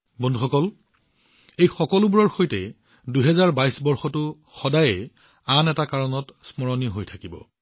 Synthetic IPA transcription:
bɔndʱuxɔkɔl | ejxɔkɔlʊbuɹɔɹxojtɛ | duɦɛzaɹbajsbɔɹxɔtʊ | xɔdajɛ | anɛtakaɹɔnɔtsmɔɹɔniɦojtʰakibɔ̰

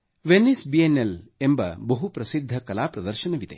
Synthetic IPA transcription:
ʋenːisbienːelembɐ̰bɐɦupɾɐsid̪ʱːɐkɐlaːpɾɐd̪ɐɾʃɐnɐʋit̪ḛ

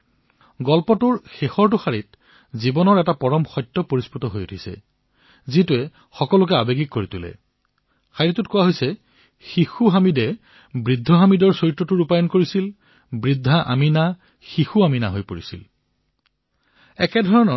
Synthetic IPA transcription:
ɡɔlpɔtʊɹxexɔɹtʊxaɹit | zibɔnɔɹɛtapɔɹɔmxɔjtːɔpoɹisputɔɦojutʰisɛ̰ | zituɛ | xɔkɔlʊk̬ɛabeɡikːoɹitulɛ̰ | xʰajɹitʊtkʊwaɦojsɛ | xixuɦamidɛ | bɹidʱːɔɦamidɔɹsojtːɔtʊɹupajɔnkoɹisil | bɹidʱːaʔa̰mina | xixuaminaɦojpoɹisḭl | ɛkɛdʱɔɹɔnɔ

